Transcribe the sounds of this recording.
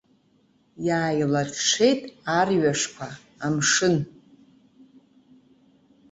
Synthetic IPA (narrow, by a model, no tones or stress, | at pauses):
jaːjilatʰʂʰe̞jtʼarɥaʂkʷʰa | amʂɨn